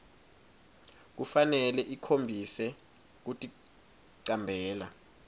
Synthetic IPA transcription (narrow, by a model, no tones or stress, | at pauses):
k̬ufanɛlɛʔikʰombʱisɛ | k̬utʼi | ǀambʱɛːla